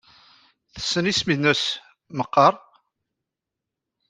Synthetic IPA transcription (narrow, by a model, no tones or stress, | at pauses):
θə̥sːənisminəs | məqːɑɾˤ